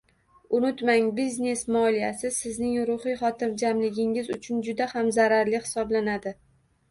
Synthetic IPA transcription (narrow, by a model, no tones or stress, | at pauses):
ʊnʊt̪maŋbizne̞smɒlijasɪsɪznɪŋɾʊχɪχɒt̪ʰɪɾd͡ʒamlɪɡʲɪŋɪzʊt͡ʃʰʊnd͡ʒʊd̪ahamzaɾaɾlɪhɪ̥sɒblanad̪ɪ